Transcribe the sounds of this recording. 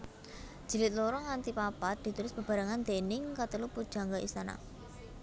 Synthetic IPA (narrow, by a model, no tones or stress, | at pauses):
d̥ʒ̥i̤lɪt̪̚loɾɔŋant̪ipapat̪̚d̥̪i̤t̪ulɪsb̥ə̤b̥a̤ɾaŋant̪enɪŋkat̪əlupud̥ʒ̥a̤ŋɡaʔḭst̪ana̰